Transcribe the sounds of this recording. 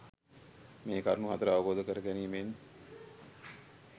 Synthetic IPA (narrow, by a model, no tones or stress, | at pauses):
meːkaɾnuɦat̪əɾəaʋəboːd̪əkəɾəkæniːmeːn